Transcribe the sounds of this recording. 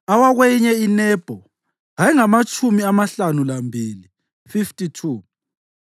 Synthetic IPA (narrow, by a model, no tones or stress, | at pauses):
awaɣwɛjiɲɛinɛːb̥ʱɔ | ɦaiŋamat͡ʃʼumiamaɬanulambʱili | fiftʼitʰuː